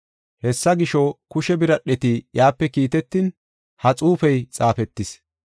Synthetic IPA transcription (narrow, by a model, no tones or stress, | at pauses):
hɛsːɐɡɪʃɔkʊʃɛbɪɾɐɗɛt̪ɪjaːpːɛkiːt̪ɛt̪ːɪn | hɐt͡sʼuːfɛjt͡sʼaːfɛt̪ːɪs